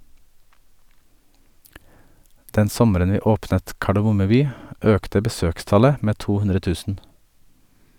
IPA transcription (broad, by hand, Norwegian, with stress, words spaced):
ˈdɛn ˈsɔməɾən ˈʋiː ˈoːpnət kɑɖɛˈmʊmə ˈbyː ˈøːktə bəˈsøːkˌstɑlə ˈmeː ˈtuː ˈhʉnɾə ˈtʉːsn̩